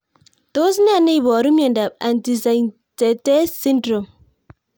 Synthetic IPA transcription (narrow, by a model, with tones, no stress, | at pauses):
t̪o˦s̬ne˦a˨ne˦i˨bɔ˨ɾu˦mjɔ˨nda˨pa˨ndi˨za˨jn | tɛ˨tɛ˦si˦ndɾɔ˨m